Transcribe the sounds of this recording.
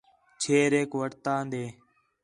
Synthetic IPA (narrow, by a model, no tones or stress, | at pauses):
t͡ʃʰeːɾeːkʋəɽt̪ãːnd̪eː